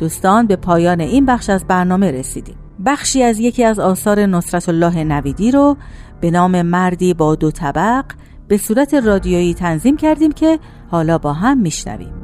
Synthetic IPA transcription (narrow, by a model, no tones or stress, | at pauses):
d̪̥uːst̪ɒːnbe̞pʰɒːjɒːne̞ʔiːnbæχʃæzbæɾnɒːme̞ɾe̞sḭːd̪̥ḭːmbæxʃiːæzje̞cʰiːæzɒːsɒːɾe̞nosɾæt̪ʰolːɒːɦe̞næviːd̪iːɾob̥e̞nɒːme̞mæɾd̪iːbɒːd̪ot̪ʰæbæɢ | b̥e̞suːɾæt̪ʰe̞rɒːd̪ijojiːt̪ʰænziːmcʰæɾd̪iːmcʰe̞ | hɒːlɒːbɒːɦæmːiːʃnæ̰vḭːm